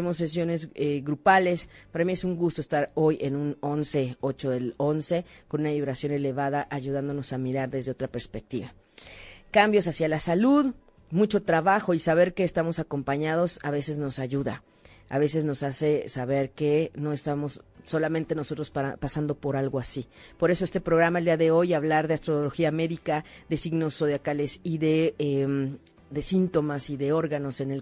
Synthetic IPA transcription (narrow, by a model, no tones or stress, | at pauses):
emo̞ses̬jo̞ne̞zeɣɾupale̞spaɾamie̞suŋɡust̪oe̞st̪aɾo̞jenũno̞nse̞o̞t͡ʃo̞ðelo̞nse̞ko̞nunaβiβɾasjo̞ne̞le̞βaðaʔaʝuð̞and̪o̞no̞samiɾaɾðe̞zðe̞o̞t̪ɾape̞ɾspe̞k̚t̪iβa | kambjo̞s̬asjalasaluð | mut͡ʃo̞t̪ɾaβaxo̞isaβ̞e̞ɾke̞ːst̪amo̞sako̞mpaɲað̞o̞saβ̞e̞se̞zno̞saʝuða̰ | a̰βe̞se̞zno̞sase̞saβe̞ɾke̞no̞e̞st̪amosːo̞lamẽnt̪e̞no̞so̞t̪ɾo̞spasand̪o̞po̞ɾalɣoasipo̞ɾe̞so̞e̞st̪epɾo̞ɣɾamaeld̪iaðe̞o̞jaβlaɾðeast̪ɾo̞lo̞xiame̞ðikaðe̞siɣno̞sːo̞ðjakale̞siðe̞em | d̪e̞sint̪o̞masiðe̞o̞ɾɣano̞se̞nel